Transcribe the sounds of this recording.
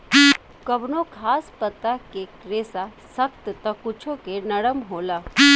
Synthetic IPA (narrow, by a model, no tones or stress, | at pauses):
kɐbnokʰaːspət̪ːakekɾeːsasəkt̪t̪ɐkʊt͡ʃʰokenɐɽəmɦoːlaː